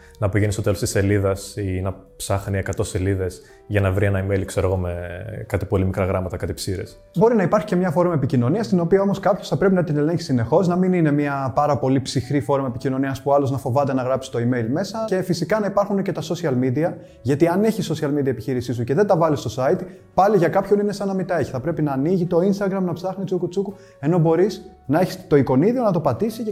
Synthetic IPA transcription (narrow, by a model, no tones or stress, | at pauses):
nɐpiʝenist̪ot̪elo̞st̪i̥se̞liðɐsinɐpsɐxniekɐt̪o̞se̞liðe̞s | ʝɐnɐvɾienɐimeilkse̞ɾo̞ɣo̞mekɐt̪i̥po̞limikɾɐɣɾɐmɐt̪ɐkɐt̪ipsiɾḛs | bo̞ɾinɐipɐɾçi̥cemɲɐfo̞ɾomɐepicino̞niɐst̪ino̞piɐo̞mo̞skɐpço̞sθɐpɾe̞pinɐt̪ine̞le̞ɲçisine̞xo̞znɐminine̞miɐpɐɾɐpo̞lipsixɾifo̞ɾomɐepicino̞niɐspuɐloznɐfo̞vɐt̪e̞nɐɣɾɐpsi̥t̪o̞ime̞ilme̞sɐce̞fisikɐnɐipɐɾxunecet̪ɐso̞siɐlmid̪iɐ | ʝɐt̪iɐne̞çisːo̞siɐlmid̪iɐepiçiɾisisuce̞ðe̞nd̪ɐvɐlist̪o̞sɐit̪i | pɐliʝɐkɐpço̞nine̞sɐnɐmit̪ɐe̞çi̥θɐpɾe̞pinɐːniʝit̪o̞inst̪ɐɣɾɐmnɐpsɐxnit͡sukut͡suku | e̞no̞bo̞ɾis | nɐeçi̥st̪o̞iko̞niðio̞nɐt̪o̞pɐt̪isi